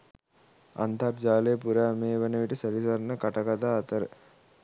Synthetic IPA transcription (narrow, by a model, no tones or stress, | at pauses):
ɐ̰nt̪ʰaɾd͡ʒaːleːpuɾaːmeːʋɐnɐʋiʈisɐɾisɐɾnɐkɐʈɐkɐt̪aːt̪ɐɾ